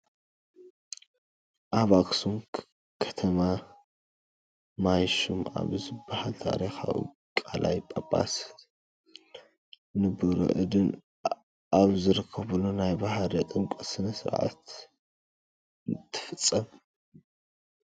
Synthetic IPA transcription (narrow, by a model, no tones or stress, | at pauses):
ʔaβaksum | kʰɐ̥t̪ʰɐma | majʃuma̰βzɨbːahalt̪ʰa̰ɾexa̰ṵ | kʼalʔa̰jpʼɐpʼa̰s | nɨbɨɾo̰ʔɨ̰d̪ɨn | ʔaβzɨɾɨkʰːɐβulonajbahɾɐt̪ʼɨŋkʷʼɐsɨnɐsɨɾʕa̰t̪ | t̪ʰɨ̥fɨt͡sʼːɐm